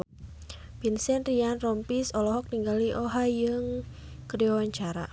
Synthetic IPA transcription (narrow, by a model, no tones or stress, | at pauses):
binsɛnrianrɔmpisɔlɔɦɔk̚niŋɡaliʔɔɦajɨŋ | kədiawaɲt͡ʃaɾa̰